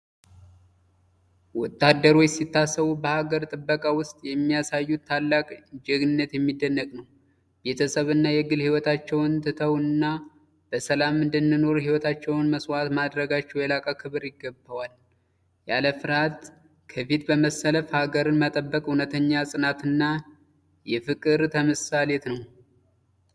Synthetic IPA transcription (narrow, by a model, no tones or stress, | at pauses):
wɔt̪ʰːad̪ːəɾo̞t͡ʃːsit̪ːasːəβubəhaɡəɾt̪ʼɨbːəkʼawʊst̪ʼjɛmːijasajːut̪ʰːalːakʼd͡ʒɛɡnɨnːət̪jɛmːid̪ːənːəkʼnəw | be̞t̪ʰəsəβɨnːajɛɡɨlhiwɔt̪ʰat͡ʃːɛwɨnt̪ʰɨt̪ʰəwɨnːa | b̥əsəlamɨnd̪ɨnːɨno̞ɾhiwɔt̪ʰat͡ʃːɛwnməswat̪mad̪ɾəɡat͡ʃːɛwjɛlakʼakʰɨβɨɾjɪɡːəbːəwal | ja̰ləfɨɾhat̪ | kʰəfit̪bəməsːələfhaɡəɾɨnmət̪ʼəbːəkʼhunət̪ʰəɲːasʼɨnat̪ɨnːa | jɛfɨkʼɨɾt̪ʰəməsale̞t̪nəw